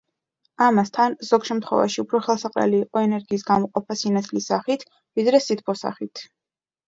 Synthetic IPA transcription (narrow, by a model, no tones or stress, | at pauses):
amast̪ʰanzɔɡʃɛmt̪ʰχwɛ̰va̰ʃiupʰɾɔχɛlˠsaqʼɛ̰liːqʼɔɛnɛɾɡiːs̬ɡamɔqʼɔpʰasinat̪sʰlisaχit̪ʰ | vid̪ɾɛsit̪̚ʰpʰɔsa̰χit̪ʰ